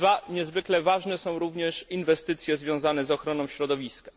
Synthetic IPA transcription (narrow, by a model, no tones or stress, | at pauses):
vaɲɛzvɘklɛvaʐnɛsɔ̃w̃ɾuvɲɛʂinvɛst̪ɘt̪sʲjɛzvʲjɔ̃w̃zanɛzɔxɾɔnɔ̃w̃ɕɾɔd̪ɔvʲiska